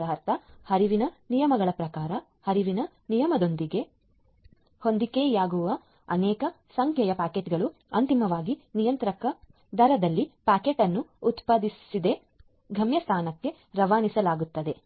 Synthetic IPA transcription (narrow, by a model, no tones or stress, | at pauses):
ɐɦɐɾt̪ʰɐhɐɾiʋinɐnijɐmɐɡɐɭɐpɾɐkaːɾɐ | hɐɾiʋinɐ | nijɐmɐd̪o̞nd̪iɡe̞ | ho̞nd̪ikeːjaːɡuʋɐ | ɐnɛːkɐ | sɐŋkʰjɐjɐpaːkeʈɡɐɭu | ɐnt̪imɐʋaːɡinijɐnt̪ɾɐkɐ | d̪ɐɾɐd̪ɐlːipaːkeʈɐnːuːt̪pɐd̪issid̪e̞ | ɡʱɐmjɐst̪ʰaːnɐkːe̞ | ɾɐʋaːnisɐlaːɡut̪ːɐd̪e̞